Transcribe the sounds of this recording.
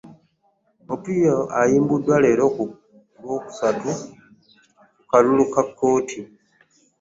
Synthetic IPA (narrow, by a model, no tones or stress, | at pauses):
opijoʔajiːmbudːwaleːɾo̞ku | lwo̞ːku̥satu | kukalulukakːo̞ːtʰi